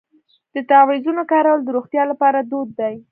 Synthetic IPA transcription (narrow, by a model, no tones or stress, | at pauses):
d̪̥ət̪ɑwizunokɑɾawəld̪əɾoxt̪jɑlapɑɾad̪od̪ːaj